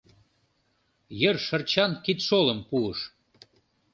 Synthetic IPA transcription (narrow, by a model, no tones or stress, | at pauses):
jərʃərt͡ɕɑnkit̪ʃoləmpuəʃ